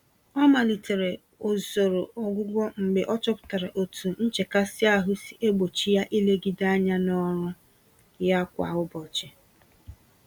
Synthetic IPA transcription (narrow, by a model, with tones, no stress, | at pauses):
ɔ˦ma˨li˨te˨ɾe˨ | o˨zo˨ɾo˨ɔ˨ɡʷʊ˦ɡʷɔ˦ŋ͡m̩˨ɡ͡be˨ʔɔ˦t͡ʃɔ˦pʊ̥˨ta˨ɾa˨ʔo˨tʰu˨n̩˦t͡ʃe˨ka˦sɪ˦a˦ɦʊ˦si̥˨ʔe˦ɡ͡bo˨t͡ʃi˦ja˦ʔi˦le˦ɡi˦da˦ɲa˦nɔ˦ɾʊ˦ | ja˦kʷa̰˨ʊ˦bɔ˨t͡ʃe˨